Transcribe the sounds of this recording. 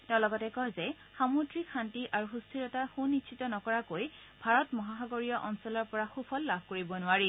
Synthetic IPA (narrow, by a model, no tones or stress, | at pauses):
tɛʊ̃lɔɡɔtɛkɔɦzɛ | xamudɹikʰantiʔaɹuxustʰiɹɔtaxunːitsʰitɔnɔkɔɹakoj | bʱaɹɔtmɔɦaɦaɡoɹijɔʔɔnsɔlɔɹpɔɹaxupʰɔlːabʱkoɹibɔnʊaɹi